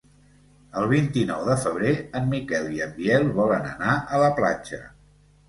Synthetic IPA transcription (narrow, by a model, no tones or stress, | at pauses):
əlˠβ̞int̪inɔwðəfəβ̞ɾeəmːikɛliəmbjɛlˠβɔlənə̰naʔələpla̰d͡ʒə̰